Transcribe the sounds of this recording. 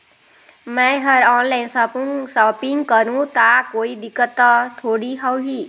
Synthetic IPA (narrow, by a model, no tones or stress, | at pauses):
mɛ̃ɦʌɾɔnlajnsɔsɔpiŋɡkʌɾũt̪akoid̪ikːət̪ːʌt̪ʰoɽiɦɔwɦi